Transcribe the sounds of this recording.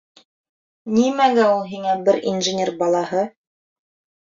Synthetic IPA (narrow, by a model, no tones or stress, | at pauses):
nimæɡæulˠɦiŋæbɘɾḭnʒɘ̆nʲerbɑlˠɑhɤ